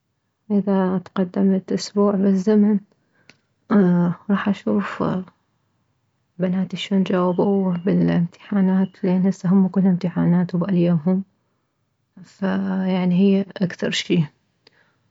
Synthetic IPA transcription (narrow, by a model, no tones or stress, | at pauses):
ʔɪðat̪qɑd̪ːamt̪ʔʊsbuːʕbɪzːaman | ɾˤɑːħʔaʃuːf | banaːt̪aʃoːnd͡ʒaːwɪbubɪlɪmt̪ʰɪ̥ħaːnaːt̪lenhɪsːaɦʊmːkʊlːɪmt̪ɪħaːnaːt̪wbʔaljaɦʊm | fajaʕniɦɪjːʔakθɑ̰ɾˤʃiː